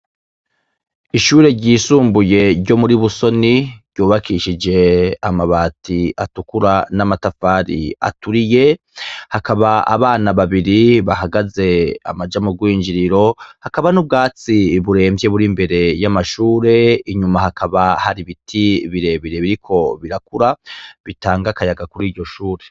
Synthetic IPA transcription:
iʃuːɾe̞ɾɟiːsuːmbuje̞ɾɟo̞muɾiβuso̞niɾɟuːβakʰiʃid͡ʒe̞amaβaːtʰiatukuɾanamatafaːɾḭa̰tuɾije̞ | hakaβaa̰βaːnaβaβiɾiβaɦaɡaze̞a̰mad͡ʒamuɡwiːɲd͡ʒiɾiɾo̞hakaβanub̚ɡaːt͡siβuɾe̞ːmvje̞βuɾimbe̞ɾe̞jamaʃuːɾe̞iɲumahakʰaβahaɾiβitʰiβiɾe̞βiɾeβiɾikʰo̞βiɾakuɾaβitaːŋɡakajaɡakuɾiːɾɟo̞ʃuːɾe̞

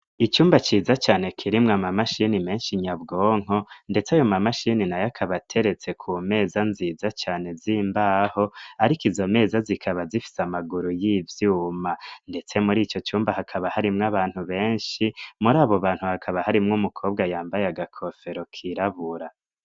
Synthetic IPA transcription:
it͡ʃuːmbat͡ʃiːzat͡ʃaːne̞kʰiɾimŋamamaʃinime̞ːnʃiɲabɡoːŋ̥o̞nde̞t͡sajo̞mamaʃininajakʰaβatʰe̞ɾe̞t͡se̞kʰume̞ːzanziːzat͡ʃaːne̞ziːmbaːho̞aɾikizo̞me̞ːzazikʰaβazifi̥samaɡuɾujiːvjuːmande̞t͡se̞muɾiːt͡ʃo̞t͡ʃuːmbahakʰaβahaɾimŋaβaːn̥huβe̞ːnʃimuɾaːβoβaːn̥huhakʰaβahaɾimŋumukʰo̞ːbɡajaːmbajaɡakʰo̞fe̞ɾo̞kʰiɾaβuɾa

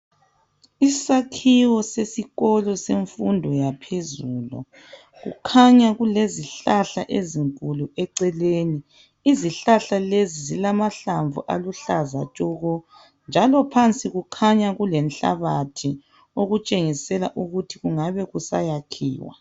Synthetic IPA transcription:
isakʰiwɔsesiɣɔlɔseɱfundʱɔjapʰezuːlɔ̰ | ɣṵkʰaɲaɣuleziɬaɬaʔeziŋkʼuluɛǀɛleːni | iziɬaɬalezizilamaɬaɱvṵʔa̰luɬaza̰t͡ʃʼɔɣɔ | nd͡ʒʱalɔpʰant͡sʼiɣukʰaɲaɣulɛnɬa̰βatʰi | oɣut͡ʃʼeŋisɛlaʔuɣutʰiɣuŋaβɛɣusa̰jakʰḭːwa̰

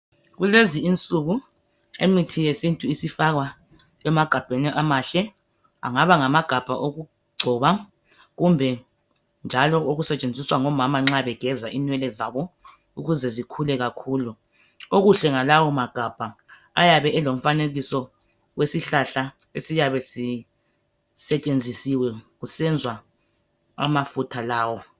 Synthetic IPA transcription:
ɣuleziint͡sʼuɣu | emitʰijesintʼuisifaɣwa | ɛmaɡ̥ʱab̥ʱeniʔamaɬɛ | a̰ŋaβaŋamaɡ̥ʱab̥ʱaʔoɣu | ɡ͡ǀʱɔβa | ɣumbʱɛ | nd͡ʒʱalɔʔoɣusɛt͡ʃʼend͡zʱiswaŋɔmamaŋ͡ǁaβɛɡ̥ʱɛzaʔinwɛlɛzaβɔ | uɣuzɛzikʰulɛɣakʰuːlu | oɣuɬɛŋalawɔmaɡ̥ʱab̥ʱaː | jaβɛʔɛlom̩faneɣisɔ | wesiɬaɬa | esijaβɛsi | sɛt͡ʃʼend͡zʱisiwɛɣusɛnd͡zʱwa | a̰mafutʰalaːwɔ

